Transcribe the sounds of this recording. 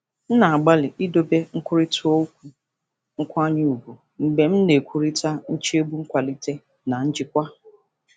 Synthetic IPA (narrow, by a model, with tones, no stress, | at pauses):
n̩˦na˨a˨ɡ͡ba˦lɪ˨i˦do˦be˦ŋ̩˦kʷʊ˦ɾi˦tʰʊ˦o˦k̚ʷu˨ | ŋ̩˦kʷa˦ɲɪ˦u˨bu˨ | m̩˨ɡ͡be˨m̩˦ne˨kʷu˨ɾi˦ta˦n̩˦t͡ʃi˦e˦bu˦ŋ̩˦kʷa˨li˦te˦ | na˨n̩˦d͡ʒɪ˦kʷa˦